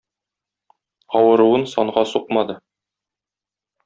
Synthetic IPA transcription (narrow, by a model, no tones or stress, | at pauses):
ɒwɤ̆ɾuwɤnsɒɴɢɑsuq̚mɑd̪ɤ